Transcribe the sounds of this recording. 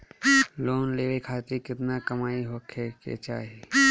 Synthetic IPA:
loːnleːʋekʰaːt̪ɾikɪt̪nakɐmaːiɦoːkʰekḛt͡ʃa̰ːɦieː

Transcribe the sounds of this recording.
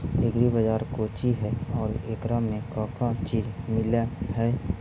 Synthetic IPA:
eːɡɾibəd͡ʒaːɾkoːt͡ʃiɦɛɔːɾeːkɾamẽkãːkat͡ʃiːd͡ʒmɪlahɛː

